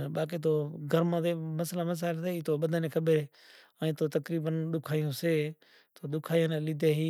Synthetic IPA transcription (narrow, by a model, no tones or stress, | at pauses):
ɓaːk̬iːt̪̬oːɡʱəɾmãːt̪eːməslaːməs̬aːlt̪eːiːt̪oːɓəd̪aneːkʰəɓeː | əĩːt̪oːt̪əkɾiːbənɗʊkʰaːjõːseː | t̪oːɗ̪ʊkʰaːjõːnelɪd̪ʱeːɦiː